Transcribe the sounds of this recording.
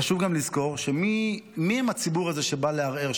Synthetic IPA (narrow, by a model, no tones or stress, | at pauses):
aʃuvɡamlizko̞ʁʃemimiemat͡sibuʁaze̞ʃe̞baleaʁeʁ